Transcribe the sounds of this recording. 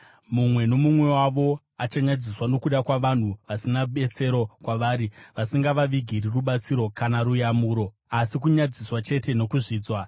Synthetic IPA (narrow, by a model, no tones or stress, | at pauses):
mumwe̞no̞mumwe̞waʋo̞ | at͡ʃaɲad͡ziswano̞kuɗakwaʋan̤uʋasinaɓe̞t͡se̞ɾo̞kwaʋaːɾiʋasiŋɡaʋaʋiɡʱiriruɓat͡siɾo̞kanaɾujamuːɾo̞ | asik̬uɲad͡ziswat͡ʃe̞te̞no̞kuʐiːd͡zwa